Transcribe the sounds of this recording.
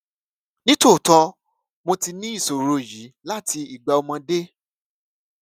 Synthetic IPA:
nĩ˦to˦˨tɔ̃˧ | mõ˧ti˧nĩ˦i˦˨so˨ɾo˧ji˨˦la˦ti˧i˨ɡ͡ba˧o˧mã˧de˦

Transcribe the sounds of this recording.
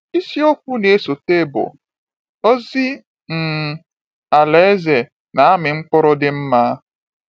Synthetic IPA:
i˦si˦o˦kʷu˦ne˨e˦so˨te˦bʊ̰˨ | o˦zi˦ | m̩˨ | a˨le˦e˦ze˨ | na˨a˦mɪ˨ŋ͡m̩˦k͡pʊ˦ɾʊ˦dɪ˦m̩˦ma˦

